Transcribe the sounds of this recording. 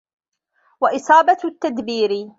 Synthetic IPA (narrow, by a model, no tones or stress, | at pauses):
waʔɪsˤɑːbat̪ːad̪biːɾɪ